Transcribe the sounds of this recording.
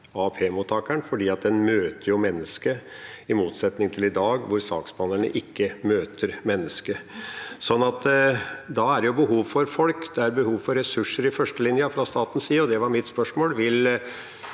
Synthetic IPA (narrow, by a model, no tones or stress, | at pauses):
ɑpʰeːmuːt̪ʰːɑːkæɳfɔɖiːɑt̪̚d̪ɛnmøːt̪əɾjʊmɛnːəskə | ɪmuːt̪sɛt̪nɪŋt̪ʰɪlɪd̪ɑːɡʋʊɾsɑ̰ːksbɑːnəɳə̰ʔɪkːəmøːt̪ʰəɾmɛnːəskəsɔnːɑt̪d̪ɑæɾjʊbəɦuːʋfɔɾfɔlkd̪ɛæɾbəhuːʋfɔɾɛsʉʂːəɾɪfœʂʈəlɪnjəfɾɑst̪ɑːt̪n̩siːɔd̪ɛʋɑɾmɪt̪spœʂmoːlʋɪl